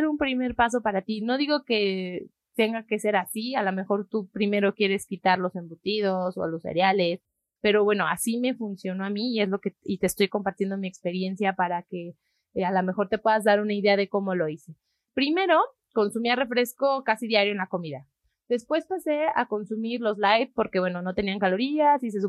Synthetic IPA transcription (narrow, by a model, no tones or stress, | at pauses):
eɾumpɾime̞ɾpas̬o̞paɾat̪ino̞ðiɣo̞ke̞ | t̪e̞ŋɡake̞se̞ɾasialome̞xo̞ɾt̪upɾime̞ɾo̞kje̞ɾe̞skit̪aɾlo̞se̞mbut̪ið̞o̞so̰lo̞sḛɾjale̞s | pe̞ɾo̞βwe̞no̞asime̞funsjo̞noamiːe̞zlo̞ke̞it̪e̞ːst̪o̞jko̞mpaɾt̪je̞nd̪o̞mie̞kspe̞ɾjensjapaɾake̞ | alame̞xo̞ɾt̪e̞pwe̞ðazðaɾunaiðe̞aðe̞ko̞mo̞lo̞ise | pɾime̞ɾo̞ | ko̞nsumiare̞fɾe̞sko̞kasiðjaɾjoenlako̞miða | ðe̞spwe̞spase̞a̰ko̞nsumiɾlo̞zlajt̪̚po̞ɾkeβwe̞no̞no̞t̪e̞niaŋkalo̞ɾiasis̬es̬u